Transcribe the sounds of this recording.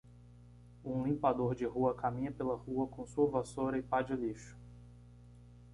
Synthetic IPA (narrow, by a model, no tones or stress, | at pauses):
ũlĩmpad̪oɾd͡ʒɪɦuɐkamĩɲɐpelɐhuɐkõsuɐvasoɾɐɪpad͡ʒɪliʃʊ̥